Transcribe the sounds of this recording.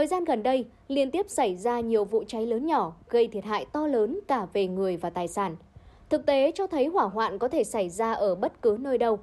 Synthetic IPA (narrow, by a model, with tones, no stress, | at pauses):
t̪əː˨˩jzaː˧nɣə˨˩nɗə˧j | li˧ənt̪i˦˥əp̚sa˧˩jzaː˧ɲi˨˩əwvṵ˧˨t͡ɕa˨˦jləː˨˦nɲɔ˧˩ɣə˧jt̪ʰi˦˩ət̚ha̰ː˧˨jt̪ɔ˧ləː˨˦nkaː˧˩ve˨˩ŋɨ˨˩əjvaː˨˩t̪aː˨˩jsaː˧˩nt̪ʰɨ˨˩k̚t̪e˨˦t͡ɕɔ˧t̪ʰə˨˦jɦwaː˧˩ɦwa̰ː˧˨nkɔ˨˦t̪ʰe˧˩sa˧˩jzaː˧ʔəː˧˩ɓə˦˥t̚kɨ˨˦nəː˧jɗə˨˧w